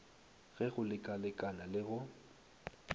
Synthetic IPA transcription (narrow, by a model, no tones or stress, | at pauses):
ɣɛɣʊlɪkʼalɪkʼanalɪɣʊ